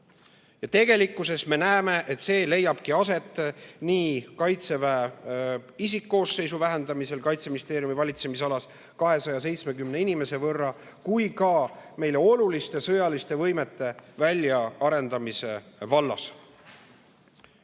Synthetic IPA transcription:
jɑt̪e̞ɡe̞likːˑuse̞sme̞næeme̞ʔet̪se̞ːle̞jːɑb̥kiɑse̞t̪ːˑniːkɑjt̪se̞væ | isikːo̞ːsːe̞jsuvæɦe̞nd̪̥ɑmise̞lkɑjt̪seminist̪e̞ːɾjumivɑlʲit̪se̞mis̬ɑlɑs | kɑɦe̞sɑjɑs̬e̞jt̪sme̞kymne̞inime̞se̞vɤrːɑ | kujkɑme̞jle̞o̞lulist̪e̞sɤjɑlist̪e̞vɤ̞jme̞t̪ːˑe̞vælʲjɑɑɾe̞nd̪̥ɑmise̞vɑlːɑ̰s

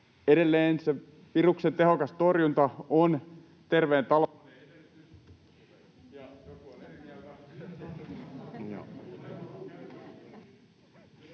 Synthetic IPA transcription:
eɾelːeːnse | piruksent̪eɦokɑst̪orjunt̪ɑon | t̪erʋeːnt̪ɑl

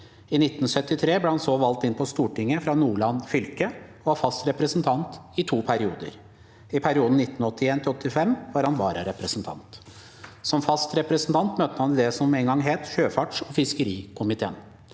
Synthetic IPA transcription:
ɪnɪt̪ːn̩sœt̪ːɪt̪ʰɾeːblɛːhɑnsoːʋɑlt̪ɪnpʰɔst̪uːʈɪŋːəfɾɑnuːɭɑnfʏlkəɔʋɑfɑst̪ɾɛpɾəsnt̪ʰɑnt̪ɪt̪ʰuːpʰæɾɪuːd̪ə̰ɾ | ɪpʰæɾɪuːd̪n̩nɪt̪ːn̩ɔt̪ːɪeːnt̪ɪɔt̪ʰːɪfɛmːʋɑːɾhɑnʋɑːɾɑɾɛpɾəsnt̪ʰɑ̰nt̪ | sɔmfɑst̪ɾɛpɾəsn̩t̪ʰɑnt̪møːt̪ːəhɑnd̪ɛsɔmɛːnɡɑŋɦeːt̪çøːfɑʈʂɔfɪskəɾiːkʰʊmɪt̪ʰḛːn

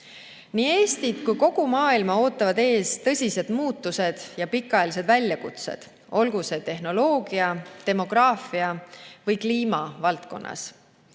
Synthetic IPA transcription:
niːe̞ːsʲt̪it̪kujko̞ɡ̥umɑːilmɑo̞ːt̪ːˑɑvɑd̪e̞ːst̪ɤ̞sʲise̞d̪̥muːt̪ːˑuse̞d̪̥jɑpikːˑɑelis̬e̞d̪vælʲjɑkut̪se̞̰d̪̥ | o̞lɡuse̞t̪e̞ɦno̞lo̞ːɡ̥iɑt̪e̞mo̞ɡ̥ɾɑːfiɑvɤjkliːmɑvɑlt̪ko̞̰nːʔɑ̰s

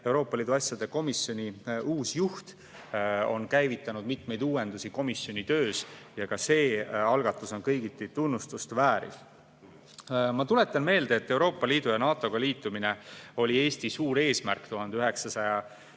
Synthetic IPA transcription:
e̞uwɾo̞ːpːˑɑliːd̪uɑsjɑd̪̥e̞ko̞misjo̞nʲiuːsjuht̪ | o̞̰nkæjvit̪ːˑɑnud̪̥̚mit̪me̞jd̪uːwe̞nd̪usiko̞misjo̞nʲit̪ø̞ːsjɑkɑse̞ːɑlɡ̥ɑt̪ːˑuso̞nkɤjɡ̥it̪ːˑit̪unːust̪ust̪væːɾḭl | mɑt̪ule̞t̪ːˑɑnme̞ːld̪eːt̪ːe̞uwɾo̞ːpːˑɑliːd̪̥ujɑnɑːt̪ˑo̞ɡ̥ɑliːt̪ːˑumine̞o̞lʲie̞ːst̪isuːɾe̞ːsmæ̰rkt̪uhɑnd̪eyɦe̞ksɑsɑjɑ

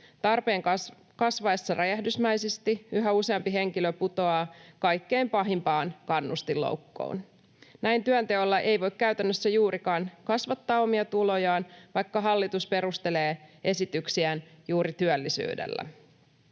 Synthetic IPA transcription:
t̪ɑrpe̞ːŋ | kɑsʋɑesːɑrɑjæhdysmæjsest̪iyɦæuse̞ɑmpiɦe̞ŋkiløput̪o̞ɑkɑjkːeːmpɑɦimpɑːnkɑnːust̪ilːo̰wkːo̰ːn | næjnt̪yænt̪e̞olːɑʔe̞jʋo̞ikkæyt̪ænːøsːæjuːɾʔikɑːnkɑsʋɑt̪ːɑːo̞miɑt̪ulo̞jɑːnʋɑjkːɑɦɑlːit̪uspe̞ɾust̪e̞le̞ːʔe̞sit̪yksiænjuːɾit̪yœlːisy̰ːdḛlːæ̰

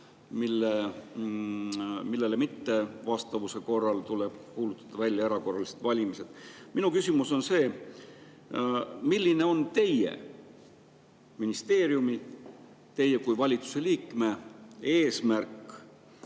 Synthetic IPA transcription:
milːe | milːe̞lemit̪ːe̞vɑst̪ɑvuse̞ko̞rːɑlt̪ule̞b̥̚kuːlut̪ˑːɑ̥d̪̥ɑvælʲjɑeɾɑko̞rːɑliset̪vɑlʲimise̞d̪̥minukysʲimuso̞nse̞ː | milʲːine̞o̞nt̪e̞jḛ | minist̪e̞ːɾjumi | t̪e̞jːe̞kujvɑlʲit̪su̥se̞liːkˑme̞e̞ːsmærkˑ

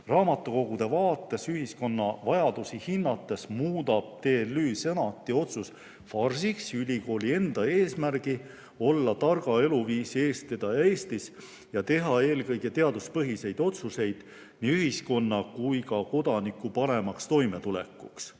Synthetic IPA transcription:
rɑːmɑt̪ːˑuko̞ɡ̥ud̪̥e̞vɑːt̪ːˑe̞syɦisko̞nːɑ̰vɑjɑd̪̥usihinːɑt̪ːˑe̞smuːd̪ɑb̥̚t̪e̞ːlyːsenɑt̪ːˑio̞t̪sus | fɑrsiksylʲiko̞ːlie̞nd̪̥ɑe̞ːsmærɡ̥i | o̞lːɑt̪ɑrɡ̥ɑe̞luviːsie̞ːst̪ed̪̥ɑjɑe̞ːst̪is | jɑt̪e̞ɦɑe̞ːlkɤ̞jɡ̥e̞t̪e̞ɑd̪uspɤɦise̞jd̪̥o̞t̪suse̞jd̪̥ | niyɦisko̞nːɑkujkɑko̞d̪̥ɑnikːˑupɑɾe̞mɑkst̪o̞jme̞t̪ule̞̰kːˑṵks

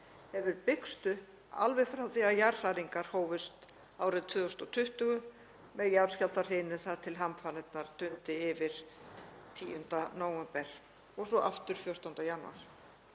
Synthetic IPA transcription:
hɛvʏɾpɪkst̪ʏ | a̰lvɪɣfɾawθiajar̥raɾiŋkaɾ̥hoːwvɪst̪ | aːwɾɪðt̪ʰvʏːðɔst̪ɔt̪ʰʏht̪ʏɣʏ | mɛðjaɾ̥scal̥t̪ar̥ejnʏθaðt̪ʰɪlɦamfanɪt̪naɾ̥t̪ʏnt̪ɪɪvɪɾ̥t̪ʰiːjʏnt̪anaːwɛmpɛɾ̥ | ɔɣsɔʔaft̪ʏɾ̥fjœr̥t̪awnt̪ajanṵa̰ɾ̥

